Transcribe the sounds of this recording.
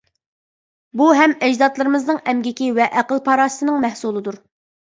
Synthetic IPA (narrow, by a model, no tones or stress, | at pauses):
buɦɛmɛd͡ʒzɑt̪lˠɨɾɨmɨznɨŋɛmɡʲɪkʲiwɛʔæqəlˠpʰɑɾɑːsɨ̥t̪ɨnɨŋmɛhsulˠɨd̪uɾ